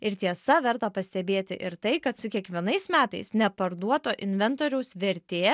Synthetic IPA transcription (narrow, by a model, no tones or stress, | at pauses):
ɪɾt̪ʲiɛsɐʋʲɛɾt̪ɐpɐsʲt̪ʲɛbʲeːt̪ʲɪ̰ʔɪɾt̪ɐɪkɐt̪sʊkʲiɛkʋʲiɛnɐɪsmʲæːt̪ɐɪsnʲɛpɐɾd̪uɔt̪oːʔɪnʲʋʲɛnt̪oːɾʲɛʊsʋʲɛɾʲt̪ʲeː